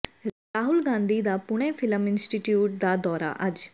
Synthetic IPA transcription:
ɾaːɦʊlɡãːnd̪iːd̪aːpʊɽ̃eːfʰɪləmɪnsʈiʈjuːʈ̚d̪aːd̪ɔːɾa̰ʔɐd͡ʒ

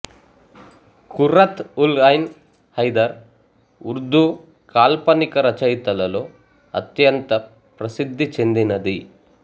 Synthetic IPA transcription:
kuɾɐt̪ulɐjn | hɐjd̪ɐɾ | uɾd̪ʱu | kaːlpɐnikɐɾɐt͡ʃɐjt̪ɐlɐlo̞ː | ɐ̰t̪jɐnt̪ɐ | pɾɐsid̪ʱːit͡ʃe̞nd̪inɐd̪i

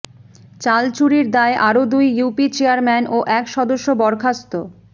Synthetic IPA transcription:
t͡ɕalt͡ɕuɾiɾd̪aeʔaɾod̪ujːupit͡ɕeaɾmɛnoʔɛkʃɔd̪oʃːobɔɾkʰast̪o

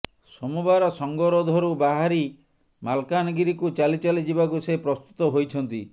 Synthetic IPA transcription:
somubaɾɔsɔŋɡɔɾɔd̪ʱɔɾubaɦaɾi | malkanɔɡiɾikut͡ʃalit͡ʃalid͡ʒibakusepɾɔst̪ut̪ɔɦojt͡ʃʰɔnt̪i

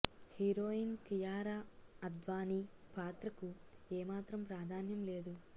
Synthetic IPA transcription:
hiɾoːinkijaːɾaːɐd̪ʋaːnipaːt̪ɾɐkueːmaːt̪ɾɐmpɾaːd̪ʱaːnjɐmleːd̪u

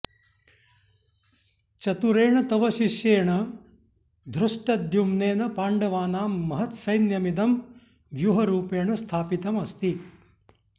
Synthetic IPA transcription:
t͡ʃɐt̪uɾeːɳɐt̪ɐʋɐʃiʃjeːɳɐ | d̪ʱɾuʂʈɐd̪jumneːnɐpaːɳɖɐʋaːnaːmːɐɦɐt̪sɐjnjɐmid̪ɐm | ʋjuɦɐɾuːpeːɳɐst̪ʰaːpit̪ɐmɐst̪i

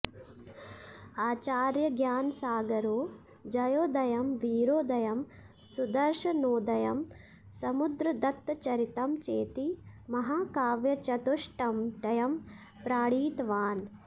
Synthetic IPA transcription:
aːt͡ʃaːɾjɐɡjaːnsaːɡɐɾoː | d͡ʒɐjoːd̪ɐjɐmʋiːɾoːd̪ɐjɐm | sud̪ɐɾʃɐnoːd̪ɐjɐm | sɐmud̪ɾɐd̪ɐt̪ːt͡ʃɐɾit̪ɐmt͡ʃeːt̪imɐɦaːkaːʋjɐt͡ʃɐt̪uʂʈɐmʈɐjɐm | pɾaːɽiːt̪ʋaːn

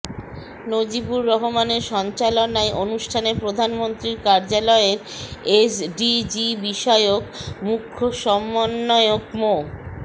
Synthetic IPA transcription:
nod͡ʑibuɾːɔɦomaneɾʃɔnt͡ɕalonaeʔonuʃʈʰanepɾod̪ʱanmont̪ɾiɾkaɾd͡ʑalɔeɾ | esɖid͡ʑibiʃɔeokmukʰːoʃɔmːonːɔeokmo

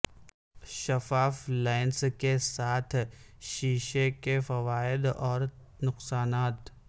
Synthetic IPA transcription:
ʃɐfaːflaːɪnskesaːt̪ʰʃiːʃekefɐʋaːɪd̪ɔːɾ | nʊqsaːnaːt̪

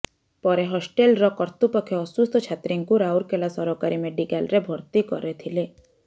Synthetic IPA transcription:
pɔɾeɦɔsʈelɾɔkɔɾt̪upɔkʰːjɔɔsust̪ɔt͡ʃʰat̪ɾiŋkuɾawɾkelasɔɾɔkaɾimeɖikalɾebʱɔɾt̪ikɔ̰ɾet̪ʰile

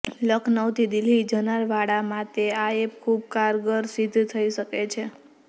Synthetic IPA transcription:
ləkʰnəwt̪ʰid̪ilid͡ʒənaɾʋaɽamãt̪eaep̚kʰub̚kaɾɡəɾsid̪ʱːt̪ʰəiʃəket͡ʃʰe

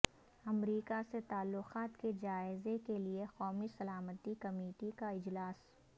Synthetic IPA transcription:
ɐmɾiːkaset̪aːlːʊxaːt̪ked͡ʒaːɪzekeliexɔːmisɐlaːmət̪ikɐmeːʈikaɪd͡ʒlaːs

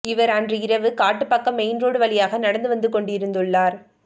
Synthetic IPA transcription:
ɪʋɐɾɐndrɯɪɾɐʋɯkaːʈːɯpːɐkːɐmeɪnroːɽɯʋɐɭɪjaːɣɐnɐɽɐnd̪ɯʋɐnd̪ɯkɔɳɖɪɾɯnd̪ɯɭːaːɾ

